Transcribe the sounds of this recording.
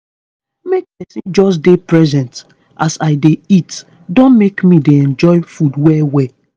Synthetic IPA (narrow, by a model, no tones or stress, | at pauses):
mek̚pɛsĩnd͡ʒɔs̬depɹɛzɛ̃nt | ʔasaɪdeit | dõnmekmideɛ̃nd͡ʒɔɪfudwɛwɛ